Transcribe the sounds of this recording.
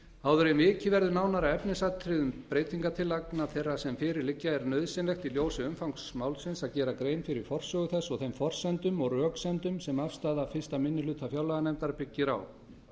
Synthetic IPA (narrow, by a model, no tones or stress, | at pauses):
aːwðʏɾmɪːcɪvɛɾðʏnaːwnaɾaɛpnɪsat̪ʰɾɪðʏmpɾeːjt̪ʰiŋkat̪ʰɪlaknaθejrːasɛmfɪːɾɪɾlɪcːaɛɾnœðsɪnlɛxt̪iljoːwsɪʏmfawŋksmaːwlsɪnsaðcɛːɾakɾeːjnfɪɾɪɾ̥fɔr̥sœːɣʏθɛsːɔɣθejmfɔr̥sɛnt̪ʏmɔɣrœːksɛnt̪ʏmsɛmafst̪aːðafɪ̥st̪amɪnːɪlʏːt̪ʰafjawlaɣanɛmt̪aɾpɪcːɪɾa̰w